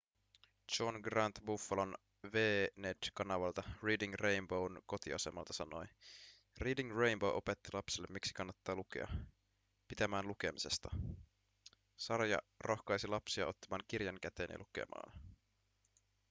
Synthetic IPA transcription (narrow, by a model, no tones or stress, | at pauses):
t͡ʃonɡrɑnt̪bufːɑlon | ʋeːnedkɑnɑʋɑlt̪ɑriːdiŋrejmbownko̞t̪ḭɑse̞mɑlt̪ɑsɑno̞j | riːdiŋrejmbo̞wʔo̞pe̞t̪ːilɑpselːemːiksi̥kɑnːɑt̪ːɑːlukḛɑ̰ | pit̪æmæːnluke̞mise̞st̪ɑ | sɑrjɑ̰rʔo̞xkɑjsilɑpsiɑ̰o̞t̪ːɑmɑːŋk̟irjɑŋkæt̪e̞̰njɑ̰lukḛmɑ̰ːn